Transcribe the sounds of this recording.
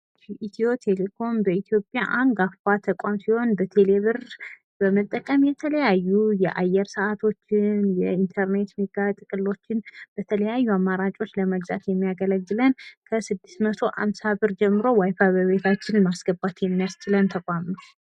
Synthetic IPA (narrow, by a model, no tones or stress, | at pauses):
ʔit̪ʰio̞t̪ʰe̞le̞kʰo̞mbəit̪ʰjo̞pʼjaʔaŋɡafat̪ʰəkʷʼamsihho̞nbət̪ʰe̞le̞βɨɾ | b̥əmət̪ʼːəkʼəmjɛt̪ʰələjajːujɛʔajːɛɾsəʔat̪ʰo̞t͡ʃːɪnjɛint̪ʰəɾne̞t̪miɡat̪ʼɨkʼɨlːo̞t͡ʃːɪnb̥ət̪ʰələjajːuamːaɾat͡ʃʼo̞t͡ʃːləməɡza̰t̪jɛmːijaɡələɡːɨlənkʰəsɨd̪ːɨ̥st̪mət̪ʰo̞ʔa̰msaβɨɾd͡ʒɛmːɨɾo̞wajfaβəβet̪ʰat͡ʃːɪnmasɡəbat̪jɛmːijast͡ʃɪlənt̪ʰəkʷʼamu